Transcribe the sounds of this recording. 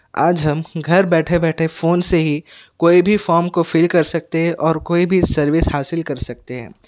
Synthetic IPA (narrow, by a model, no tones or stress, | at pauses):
a̰ːd͡ʒɦɐmɡʱɐɾbɛːʈʰebɛːʈʰefoːnseɦikoːibʱifɔːɾmkofɪːlkɐɾsɐk̚t̪eɦɛ̃ʔɔːɾkoːibʱisɐɾʋɪshaːsɪlkɐɾsɐk̚t̪eɦɛ̰̃ː